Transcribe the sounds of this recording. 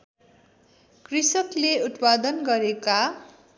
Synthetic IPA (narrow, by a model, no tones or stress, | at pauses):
krisʌkleut̪pad̪ʌnɡʌɾeka